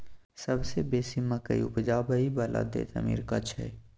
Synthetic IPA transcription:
səbsebeːsimːəkəḭʊpd͡ʒaːbəibəlʔa̰d̪ḛt̪ə̰mḭːɾkɐt͡ʃʰɦɛ̰ː

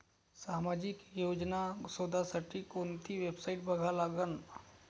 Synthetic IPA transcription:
saːmad͡ʒɪkjoːd͡ʒnasoːd̪ʱasəʈikont̪ʰiʋebsaɪʈbʱəɡʱalaːɡən

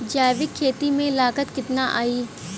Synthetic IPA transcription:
d͡ʒaːjʋɪkʰːeːt̪imẽlaːkət̪kɪt̪naʔa̰ːiː

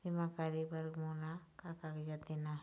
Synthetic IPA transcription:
imakaɾibaɾɡmɔlakakakd͡ʒat̪ina

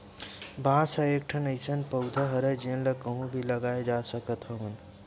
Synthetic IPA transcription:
bʱãːsɐek̚ʈʰənɐjsənpɐwd̪ʱəɦɐɾed͡ʒiə̃nlɐkɐɦũbʱilɐɡaːed͡ʒaːsəkət̪ɦɐɦun

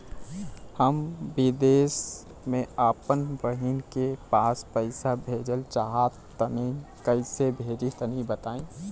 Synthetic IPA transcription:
həmbid̪eːs | mẽaːpənʋəɦinkepaːspəɪsabʱeːd͡ʒəlt͡ʃaɦat̪ː | əni | kəɪsebʱeːd͡ʒit̪ənĩbət̪aːẽ

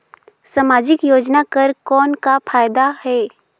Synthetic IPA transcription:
saːmaːd͡ʒɪkjoːd͡ʒnakɐɾkɔːnkapʰaːjd̪ahɛː

